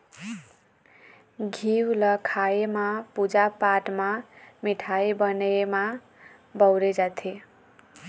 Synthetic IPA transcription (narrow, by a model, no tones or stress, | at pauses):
ɡʱiwlʌkʰaemapud͡zapaʈmamiʈʰajbʌnema | bʌwɾed͡zat̪ʰe